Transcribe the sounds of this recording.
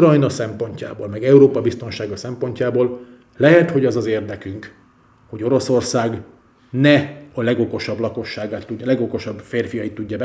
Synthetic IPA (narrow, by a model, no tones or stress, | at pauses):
rɒjnɒsɛmpo̞ɲca̰ːboːlmɛɡɛuɾoːpɒbist̪o̞nʃaːɡɒsɛmpo̞ɲcaːboːl | lɛɦɛt̪ho̞ɟɒzɒzeːrd̪ɛkyŋk | hoɟo̞ɾo̞so̞rsaːɡ | nɛɒlɛɡoko̞ʃɒblɒko̞ʃːaːɡaːt̪ːuɟlɛɡoko̞ʃɒbfeːrfijɒjit̪ːuɟːɒbɛ